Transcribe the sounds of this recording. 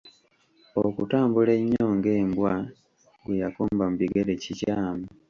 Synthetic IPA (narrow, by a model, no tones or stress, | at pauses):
okutaːmbuleɲːoːŋɡe̞ːmbwa | ɡwejakoːmbam̩uβiɡeɾecicaːmu